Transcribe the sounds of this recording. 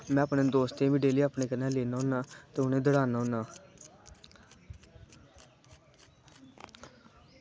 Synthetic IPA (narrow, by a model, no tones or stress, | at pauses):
mɛ̃ːəpnẽːd̪oːst̪eːʋiɖeːliːapneːkənãːleːnaːɦʊ̃naːt̪eːʊnẽːd̪əɽaːnaːɦʊ̃naː